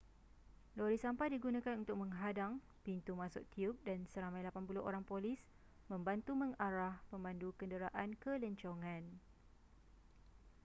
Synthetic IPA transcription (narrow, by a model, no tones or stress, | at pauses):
loɾisampajdiɡunãkanunt̪ʊk̚mə̃ŋɦadaŋ | pint̪umãsʊ̰ʔ̚t̪iup̚dansəɾamãjlapanpulʊʔo̰ɾaŋpolis | mə̃mbant̪umə̃ŋaɾahpəmbandukəndəɾaʔankələɲt͡ʃoŋãn